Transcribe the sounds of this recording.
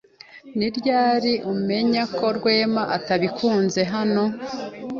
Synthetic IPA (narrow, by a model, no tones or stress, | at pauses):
niɾɟaːɾiʔume̞ɲakʰo̞ɾɡwe̞ːmaʔataβikʰuːnze̞ɦano̞